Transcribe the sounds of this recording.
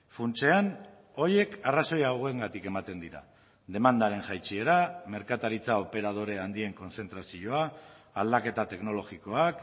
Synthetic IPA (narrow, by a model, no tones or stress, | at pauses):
funt͡ʃe̞an | o̞je̞karaso̞jawɣe̞ŋɡat̪ike̞mat̪e̞nd̪iɾa̰ | ðe̞mand̪aɾe̞nʝajt͡ʃieɾame̞ɾkat̪aɾit͡sao̞pe̞ɾað̞o̞ɾe̞and̪ie̞ŋko̞nse̞nt̪ɾasio̞a | ald̪ake̞t̪at̪e̞kno̞lo̞ɣiko̞ak